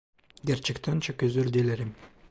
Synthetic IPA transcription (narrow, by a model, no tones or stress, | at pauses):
ɡeɾt͡ʃikt̪ʰant͡ʃʰakøzd̪øɾd̪eleɾim